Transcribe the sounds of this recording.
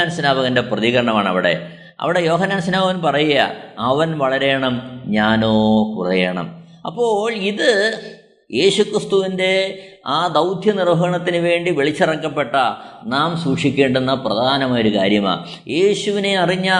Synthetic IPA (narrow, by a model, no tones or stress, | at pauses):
aːnsinaːbɐɣɐnde̞prɐðiɣɐɾɐɳɐmaːɳɐ̰ʋiɽe̞̰ | ɐ̰ʋiɽe̞jo̞ːɦɐnːaːns̬inaːbɐɣɐnpɐrɐjuɣɐja̰ɐʋɐnʋɐɭɐɾe̞ːɳɐmɲaːno̞ːkurɐjeːɳɐ̰m | ɐ̰pːo̞ːɭiðɨ | jʔe̞ːɕukrist̪uʋinde̞ | aːd̪ɐwd̪ʱjɐnirbʱɐɣɐɳɐt̪ːinɨʋe̞ːɳɖiʋiɭit͡ɕːirɐkːɐpːe̞ʈːɐnaːmsuːʂikʲːe̞ːɳɖenːɐprɐd̪ʱaːnɐmaːjoɾukaːɾjɐma̰ː | je̞ːɕuʋineɐriɲːa